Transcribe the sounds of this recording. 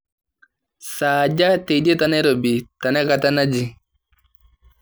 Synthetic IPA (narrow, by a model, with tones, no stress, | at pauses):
saː˨d͡ʒa˦te˨de˦ta˨nɛ˦ɾo˨bi˨ta˨nɛ˦ka˨ta˦na˦d͡ʒi˨